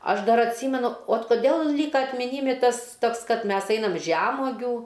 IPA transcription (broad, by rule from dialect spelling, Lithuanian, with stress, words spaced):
ˈɐʃ ˈdɐr ɐtʲˈsʲiːmʲɛnʊ oːt koːˈdʲeːlˠ ˈlʲiːkɐ ɐtʲmʲɪˈnʲiːmʲɪ ˈtɐs ˈtoːks ˈkɐt ˈmʲɛs ˈɛɪnɐm ˈʒʲæːmuɔɡʲuː